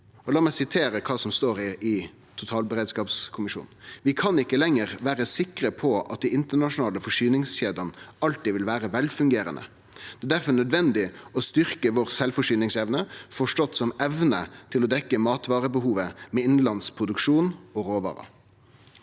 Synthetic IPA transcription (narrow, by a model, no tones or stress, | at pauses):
ɔlɑːmɛɪsɪt̪ʰeːɾəkʰɑːsɔmst̪oːɾɪɪ | t̪ʰʊt̪ʰɑːlbəɾeːd̪skɑːpskʰʊmɪʃṵːnʋɪkʰɑnɪkːəlɛŋəʁʋæːɾəsɪkɾəpʰɔɑt̪̚d̪ɪɪnt̪ənɑʂʊnɑːləfɔʂyːnɪŋsçeːd̪ənɑlt̪ɪʋɪlʋæːɾəʋɛlfʉŋɡeːɾə̰nə̰ | d̪̥ɛːd̪æɾfɔnœd̪ʋɛnd̪ɪɔst̪ʏɾkəʋɔɾsɛlfɔʂyːnɪŋsɛʋnəfɔʂʈɔt̪ːsɔmɛʋnə̰t̪ʰɪlɔd̪ɛkːəmɑːt̪ʋɑːɾəbəhuːʋəmɛːɪnlɑnspʰʁʊd̪ʉkʂuːnɔɾoːʋɑ̰ːɾə̰